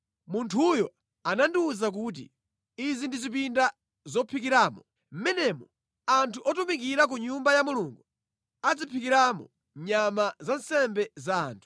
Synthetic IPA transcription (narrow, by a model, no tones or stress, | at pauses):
muntʰujɔ | anandiuzak̬ut̬ḭ | izindizip̬inda | zɔpʰikiɾaːmɔ | m̩mɛnɛmɔ | antʰuʔɔtumik̬iɾak̬uɲumbajamuluŋɡu | ad͡zipʰikiɾamɔ̰ | ɲamazansɛmbɛza̰ːntʰu̥